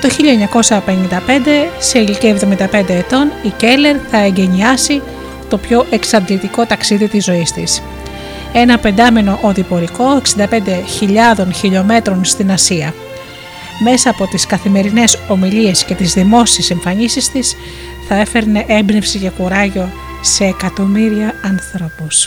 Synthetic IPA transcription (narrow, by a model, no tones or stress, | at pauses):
t̪o̞çiʎɐeɲɐko̞sɐpe̞nind̪ɐpe̞nd̪e̞seilicievðo̞mind̪ɐpe̞nd̪e̞ːt̪o̞nice̞le̞ɾθɐeɲɟe̞ɲiɐsi | t̪o̞pço̞ʔe̞ksɐnd̪lit̪iko̞t̪ɐksiðit̪izo̞ist̪is | e̞nɐpe̞nd̪ɐme̞no̞ʔoðipo̞ɾiko̞e̞ksind̪ɐpe̞nd̪e̞çiʎɐðo̞nçiʎo̞me̞t̪ɾo̞nst̪inɐsiɐ | me̞sɐːpo̞t̪iskɐθime̞ɾine̞so̞milie̞sce̞t̪izðimo̞sieseɱfɐɲisist̪is | θɐe̞fe̞ɾneʔembnifsice̞xuɾɐʝo̞ | se̞ːkɐt̪o̞miɾiɐɐnθɾo̞pus